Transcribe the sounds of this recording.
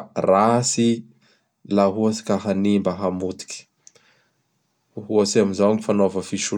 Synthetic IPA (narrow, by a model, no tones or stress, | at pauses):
rasi | laɦuasi̥kaɦanimbaɦamut̪i̥kʲi̥ | uɦuasiaminzawŋifanovəfiʃu